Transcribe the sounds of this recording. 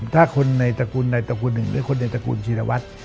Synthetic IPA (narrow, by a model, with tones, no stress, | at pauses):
t̪ʰaː˥˩kʰo˧nːa˧jt̪a˧kuː˧nːa˧jt̪a˧k̬uː˧nːɯ˨˩ŋmɯ̰˦˥˦kʰo˧nːa˧jt̪a˧kṵː˧nt͡ɕʰiː˧ɾa˧wa˦˥t̪̚